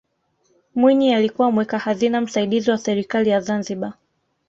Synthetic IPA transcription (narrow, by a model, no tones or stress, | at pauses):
mwiɲialikuwamwɛkahazinam̩saiɗiziwasɛɾikalijazanziɓa